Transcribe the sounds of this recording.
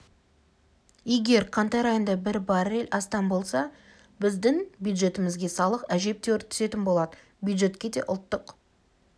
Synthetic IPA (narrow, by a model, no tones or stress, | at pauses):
e̞ɡʲe̞ɾqʰɑnt̪ɑɾɑjond̪ɑbɪɾbɑɾelʲʔɑst̪ɑnbo̞lˠsɑ | bɪzd̪ɪŋbjud̪ʒe̞t̪ɪmɪzɡʲe̞sɑlˠəqæʒe̞p̚t̪e̞wɾt̪ʰʏ̥se̞t̪ɪnbo̞lˠɑd̪ə | bjud̪ʒe̞t̪kʲe̞d̪e̞̰ʔʊlˠt̪ːəq